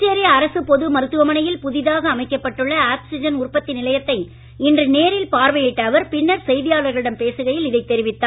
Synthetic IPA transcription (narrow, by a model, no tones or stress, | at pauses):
t͡ʃːeɾɪjɐːɾɐsɯpɔðɯmɐɾɯt̪ːɯʋɐmɐnɐjɪlpʊðɪðaːɣɐːmɐɪkːɐpːɐʈːɯɭːɐaːpsɪd͡ʒɐnʊrpɐt̪ːɪnɪlɐjɐt̪ːɐɪ | ɪndrɯneːɾɪlpaːɾʋɐjɪʈːɐːʋɐɾpɪnːɐɾsɛjðɪjaːlɐɾɣɐɭɪɽɐmpeːsɯɣɐjɪlɪðɐɪt̪ːɛɾɪʋɪt̪ːaː